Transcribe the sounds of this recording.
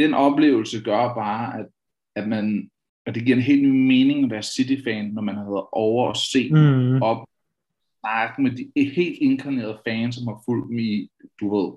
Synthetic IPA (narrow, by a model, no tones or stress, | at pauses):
d̥enʔɒ̽b̥le̝̰ːʊl̩səɡ̥ɶɐb̥ɑ̈ːæd̥ | æ̥mæn | ɒd̥e̝ɡ̥iɐ̰enɦe̝̰ːld̥nyːme̝ːne̝ŋɒmd̥æɐsːid̥ifɛːnːɒmænhheð̩ˠʔɒʊɐɒse̝̰ːɒ̽b̥ | nɑ̈ɡ̥̚med̥ihe̝̰ːld̥e̝nkʰɑne̝̰ːɐð̩ˠəfɛːnsɒ̽mhɑ̈ful̰d̥em̩id̥uʋe̝ð̞̰ˠ